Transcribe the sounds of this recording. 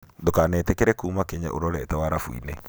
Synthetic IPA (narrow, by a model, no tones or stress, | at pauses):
ndokanɛːtɛkɛɾɛkuːmakɛɲa̰ʔo̰ɾɔɾɛtawaɾafuḭnɛ